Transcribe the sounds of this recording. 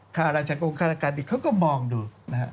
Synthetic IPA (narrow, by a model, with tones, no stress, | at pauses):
t̪ʰaː˥˩ɾaː˧t͡ɕʰaː˧˩ko˧ŋkʰaː˥˩la˧˩kaː˧˩nʔiː˨˩kʰa˦˥wkɔː˥˩mɔː˧ŋduː˧na˦˧ha˦˥ʔ